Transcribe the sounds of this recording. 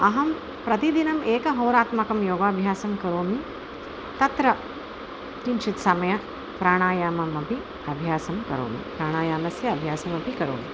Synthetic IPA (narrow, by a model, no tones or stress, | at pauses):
ɐɦɐm | pɾɐt̪id̪inɐmeːkɐɦoːɾaːt̪mɐkɐmjoːɡaːbʱjaːsɐmkɐɾoːmi | t̪ɐt̪ɾɐ | kint͡ʃit̪sɐmɐjɐ | pɾaːɳ̃aːjaːmɐmɐpi | ɐbʱjaːsɐmkɐ̰ɾo̰ːmḭpɾaːɳ̃aːjaːmɐsjɐɐbʱjaːsɐmɐpikɐɾo̰ːmi